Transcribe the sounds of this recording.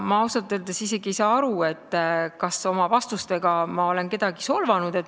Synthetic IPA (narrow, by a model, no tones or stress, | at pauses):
mɑɑwsɑt̪ːˑøːld̪̥esise̞ɡ̥iejsɑːɑɾue̞t̪ːˑkɑso̞mɑvɑst̪ust̪e̞ɡ̥ɑmɑo̞le̞nke̞d̪̥ɑɡiso̞lvɑnud̪̥e̞t̪ːˑ